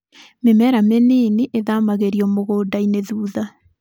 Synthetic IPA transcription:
memɛɾameniniʔeðamaɣeɾiɔmoɣoːdaineðuːða

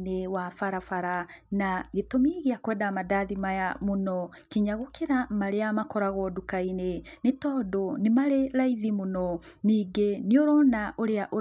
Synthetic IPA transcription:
newafaɾafaɾanaɣetomiɣeakwɛːdamadaðimajamonɔ | kiɲaɣokeɾamaɾeamakɔɾaɣɔdukainenetɔːdonemaɾeɾaiðimonɔniːɡeneoɾɔnaʔoɾeaʔo

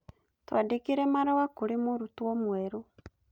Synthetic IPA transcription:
twa̰dekeɾɛmaɾawakoɾemoɾutwɔmwɛɾo

